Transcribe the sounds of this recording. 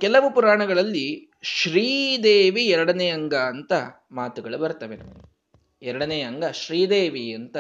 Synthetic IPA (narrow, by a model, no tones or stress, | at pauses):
kɛlɐʋupuɾaːɳɐɡɐɭɐlːi | ʃɾiːd̪eːʋiɛɾɐɽɐnejɐŋɡaːnt̪ɐ | maːt̪uɡɐɭubɐɾut̪ɐʋenɐm | ɛɾɐɽɐnejɐŋɡɐʃɾiːd̪eːʋiɐnt̪ɐ